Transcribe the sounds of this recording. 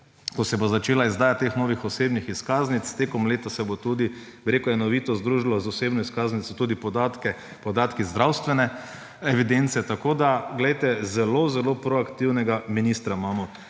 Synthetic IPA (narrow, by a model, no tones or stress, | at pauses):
kɔsɛbozat͡ʃeːlaizd̪aːjat̪ːeːxnoːʋixɔseːbnixiskaːznit̪st̪eːkɔmleːt̪asɛbot̪ud̪i | biɾeːkʊjɛnɔʋiːt̪ɔzd̪ɾuːʒilɔzɔseːbnɔiskaːznit̪sɔt̪uːd̪ipɔd̪at̪kɛ | pɔd̪aːt̪kizd̪ɾawst̪ʋɛnɛ | ɛʋid̪ent̪sɛt̪akoːd̪aɡlɛjt̪ɛzɛlozɛloːpɾɔakt̪iwnɛɡaminiːst̪ɾamaːmɔ